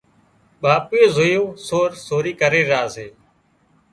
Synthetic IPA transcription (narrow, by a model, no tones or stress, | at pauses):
ɓaːpeːzojoːsoːɾsoːɾiːkəɾeːɾaːzeː